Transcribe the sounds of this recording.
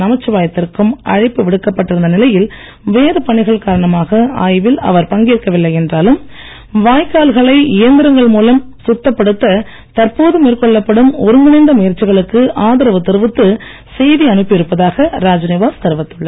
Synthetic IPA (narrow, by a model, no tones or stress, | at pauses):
nɐmɐt͡ʃːɯʋaːjɐt̪ːɪrkɯmɐ̰ɻɪpːɯʋɪɽɯkːɐpːɐʈːɪɾɯnd̪ɐnɪlɐjɪl | ʋeːɾɯpɐɳɪɣɐɭkaːɾɐɳɐmaːɣɐa̰ːjʋɪlɐ̰ʋɐɾpɐŋɡiːrkːɐʋɪlːɐɪɛndraːlɯm | ʋaːjkaːlɣɐɭɐɪɪjɐnd̪ɪɾɐŋɡɐɭmuːlɐmsʊt̪ːɐpːɐɽɯt̪ːɐ | t̪ɐɾpoːðɯmiːrkɔɭːɐpːɐɽɯmɔɾɯmɪnɪnd̪ɐmʊjɐɾt͡ʃːɪɣɐɭɯkːɯʔaːðɪɾɐʋɯt̪ːɪɾɯʋɯt̪ːɯ | sɛjðiɐɳɯpːɪɪɾɯpːɐðaːɣɐɾaːd͡ʒɐneːʋaːst̪ɐɾʋɐt̪ːɯɭːɐ